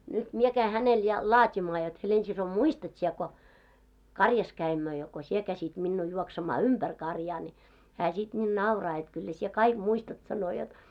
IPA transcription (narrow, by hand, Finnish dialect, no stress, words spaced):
nyt mie kæi hænel jɑ lɑːtimɑː jot helensiso muistɑt siɛ ko kɑrjɑs kæimːø jɑ ko sie kæsit minːuː juoksemɑː ymb̥ær kɑrjɑː ni hæː sit nʲiːn nɑurɑː jot kylːæ sie kɑik muistɑt sɑno jot